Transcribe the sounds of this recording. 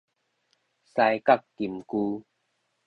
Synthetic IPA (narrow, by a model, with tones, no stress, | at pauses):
sa˧jka˥˨k̚ki˨˩mkuː˦